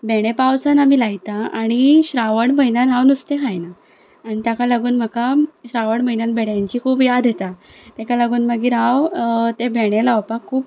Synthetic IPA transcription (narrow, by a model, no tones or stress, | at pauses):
beɽ̃epawsanamiːlaɡt̪aaɽ̃iɕɾaʋəɳməjnanɦawnust̪ekajnaː | ɽ̃it̪jakalaɡuːnm̤əkaɕɾaʋəɳməjnanbʱeɽjãɲt͡ɕiːkʰuːpjad̪ʱjet̪a | t̪ekalaɡuːnməɡiːɾawt̪ebeɽ̃elawpakʰuːp̚